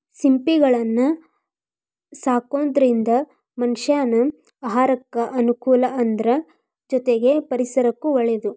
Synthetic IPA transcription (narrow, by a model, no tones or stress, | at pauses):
simpiɡɐɭɐnːɐ | saːkoːnd̪ɐɾind̪ɐ | mɐnʃaːnu | aɦaːɾɐkːɐʔɐnukuːlɐʔɐnd̪ɐɾɐ | d͡ʒɔt̪eɡe̞pɐɾisɐɾɐkːuʋɐɭed̪u